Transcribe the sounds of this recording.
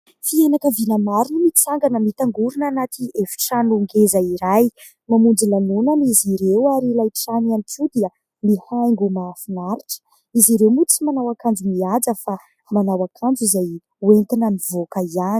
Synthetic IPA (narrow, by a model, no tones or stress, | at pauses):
fianakəvinəmaɾinimit͡saŋɡanəmit̪aŋɡuɾunanat̪ʰiefi̥ʈ͡ʂanuŋɡezaiɾaj | mamund͡zilanunaniziɾewaɾilajʈ͡ʂananit̪ud̪iə | mihajŋɡumaːfinaɾiʈ͡ʂə̥ | iziɾewmut͡simanawakand͡zumiad͡zəfa | manawakʰand͡zizaj | went̪inamivokəiani̥